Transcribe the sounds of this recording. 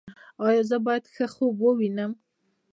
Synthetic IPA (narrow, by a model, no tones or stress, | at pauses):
ɑjɑzəbɑjad̪xəxobwəwinəm